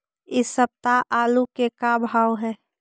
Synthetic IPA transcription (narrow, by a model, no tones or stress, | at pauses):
ɪsːəb̚t̪aʔaːlukekabʱaːwɦɛː